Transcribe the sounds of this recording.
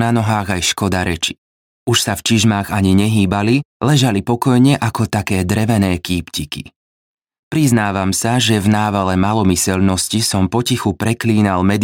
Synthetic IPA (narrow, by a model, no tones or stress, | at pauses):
nanɔɦaːɣajʃkɔd̪aɾɛt͡ʃi̥ | uʃsaft͡ʃiʒmaːɣaɲiɲɛɦiːbalilɛʒalipɔkɔjɲɛʔakɔt̪akɛːd̪ɾɛʋɛnɛːkiːpcikḭ | pɾiznaːʋamsaʒɛvnaːʋalɛmalɔmisɛlnɔscisɔmpɔcixupɾɛkliːnalmɛd̪